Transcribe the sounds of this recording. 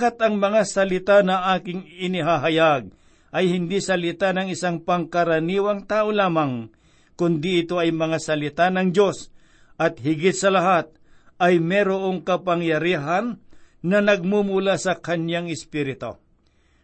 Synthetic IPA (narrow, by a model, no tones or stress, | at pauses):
kat̪ɐŋmɐŋasɐlɪt̪anɐʔaːkɪŋɪnɪɦaɦɐjaɡ̚ | ʔɐjhɪnd̪isɐlɪt̪anɐŋɪsaŋpɐŋkɐɾɐniːwɐŋt̪aːʔolaːmɐŋ | kʊnd̪ɪɪt̪o̞ɐjmɐŋasɐlɪt̪anɐŋd͡ʒo̞s | ʔɐt̪̚hɪɡɪt̪̚sɐlɐɦat̪̚ | ʔɐjmɛɾoʔo̞ŋkɐpɐŋjɐɾiːɦanːɐnɐɡ̚mumʊlasɐkɐnjaŋɪspiːɾɪt̪o̰